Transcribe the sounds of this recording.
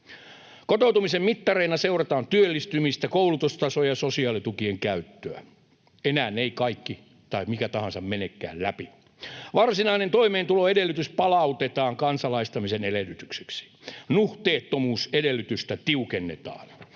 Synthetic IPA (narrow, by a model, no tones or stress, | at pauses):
kot̪out̪umisemmit̪ːɑreinɑseurɑt̪ɑːnt̪yølːist̪ymist̪ækoulut̪ust̪ɑsojɑsosiɑːlit̪ukieŋkæyt̪ːøæ̰ | enæːneikɑikːi | t̪ɑimikæt̪ɑɦɑnsɑmmenekːæ̰ːllæpi | ʋɑrsinɑinent̪oimeːnt̪uloːedelːˑyt̪yspɑlɑut̪et̪ɑːŋkɑnsɑlɑist̪ɑmisenelelːyt̪ykse̥ksi̥nuht̪eːt̪ːomuːsedelːyt̪yst̪æt̪iukenːḛt̪ɑ̰ːn